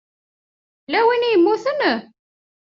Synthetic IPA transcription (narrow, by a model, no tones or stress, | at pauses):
læwinjəmːuθən